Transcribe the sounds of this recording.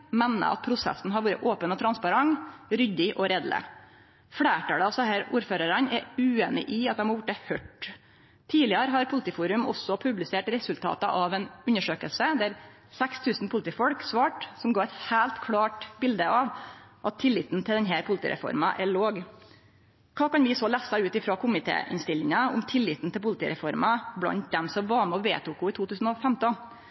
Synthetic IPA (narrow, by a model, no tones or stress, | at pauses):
mɛnːə̰ʔɑ̰t̪̚pʰɾʊsɛ̰sn̩ɦɑɾʋuːɾə̰ʔoːpənɔt̪ʰɾɑnspɑɾɑŋɾʏd̪ɪʔɔɾɛːd̪lə̰ | fɽeːʈɑːləɑsɔhæːɾuːɾføːɾəɾɑnɛɾʉːeːnɪ̰ʔɪɑt̪d̪ɛmhɑɾjʊʈ̚ːɛhœʈ | t̪ʰiːlɪəɾəɦɑɾpʰʊlɪt̪iːfuːɾʉmɔ̰sɔpʰʉblɪseːʈɾɛsʉlt̪ʰɑ̰ːt̪əʔɑʋɛnʉnːəʂøːkəlsəd̪æɾ | sɛkst̪ʰʉːsnpʊlət̪iːfɔlksʋɑːʈsɔmɡɑːɾɛt̪hæːlt̪kʰɽɑːʈbɪld̪əɑʋʔɑt̪ʰːɪlːɪt̪n̩t̪ʰɪld̪ɛnɦæɾpʰʊlət̪ḭːɾʔɛ̰fɔ̰ɾmɑʔɛɭoːɡ | kʰɑːkɑnʋɪsɔlæːsɑʉːt̪ɪfɾɑkʰʊmɪt̪ʰḛːʔɪ̰nst̪ɪlːɪŋɑʊ̰mt̪ʰɪlːɪt̪n̩t̪ɪlpʊlət̪iːɾɛ̰fɔɾmɑblɑ̰nt̪̚d̪ɛmsɔmʋɑmɛɔʋḛːt̪ukʊɪːt̪ʰuːt̪ʰʉːsn̩ɔfɛmt̪ɔ